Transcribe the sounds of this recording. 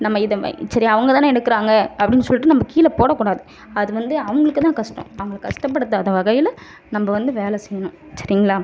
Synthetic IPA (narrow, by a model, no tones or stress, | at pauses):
nɐmːɐɪðɐ̰sɐɾiɐʋɐŋɡɐt̪aːɛɽɯkːɯɾaːŋɡɐɐpːɐɽɪnːɯsɔlːɪʈːɯnɐmːɐkiːlɐpoːɽɐkːuːɽaːðɯ | ɐðɯʋɐnd̪ɯɐʋɐŋɡɐɭɯkːt̪ãːkɐʂʈɐ̰̃ɐʋɐŋɡɐɭɯːkːɐʂʈɐp̬ːɐɽɯt̪ːɯɐðɐʋɐɣɐjɪl | nɐmbɐʋɐnd̪ɯʋeːlɛsɛjːɐnʊ̃ | sɐɾɪŋɡɐlaː